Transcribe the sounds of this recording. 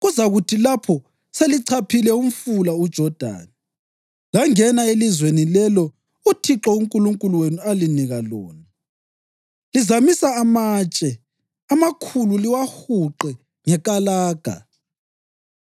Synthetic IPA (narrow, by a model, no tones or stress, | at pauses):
ɣuzaɣutʰilapʰɔ | seliǀʰapʰilɛum̩fulaud̥ʒ̥ʱɔd̥ʱa̰ːna | laŋɛnaelizwenilɛlɔ | utʰiǁɔuŋkʼuluŋkʼuluwenualiniɣalo̰ːna | lizamisaːmaːt͡ʃʼɛ | amakʰululiwahuǃɛ | ŋɛkʼalaːɡ̥ʱa̰